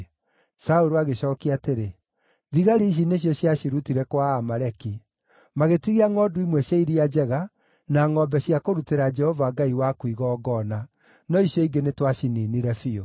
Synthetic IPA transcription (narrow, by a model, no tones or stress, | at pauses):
saoɾoaɣeɕɔkiaːteɾe | ðiɣaɾeiɕ̬ineɕ̬jɔɕjaʃiɾutiɾɛkwaːmaɾɛki | maɣetiɣiaŋɔduimwɛɕjaiɾiad͡ʒɛɣa | naŋɔbɛɕiakoɾuteɾad͡ʒɛhɔvaɡaiwakwiɣɔːɡɔna | nɔiɕjɔiɡenetwaʃininiɾɛfio